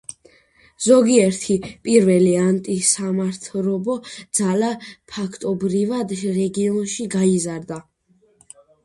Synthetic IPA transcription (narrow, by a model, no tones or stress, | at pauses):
zɔɡiɛɾt̪ʰipʼiɾvɛliant̪ʼisamaɾt̪ʰɾɔbɔd̪z̥alapʰakʰt̪ʼɔbɾivad̪ɾɛɡiɔnʃiɡaizaɾd̪a